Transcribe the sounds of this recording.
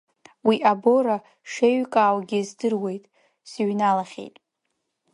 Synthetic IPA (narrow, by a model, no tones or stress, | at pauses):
wiʔabo̞ɾa | ʂeɥkʼaːwɡʲɪzdɨrwe̞jtʼ | sɥnalaχʲḛjtʼ